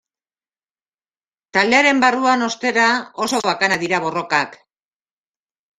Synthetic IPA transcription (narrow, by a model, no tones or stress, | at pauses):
t̪ald̪e̞aɾe̞mbaruano̞st̪e̞ɾao̞so̞βakanaðiɾaβ̞o̞ro̞kak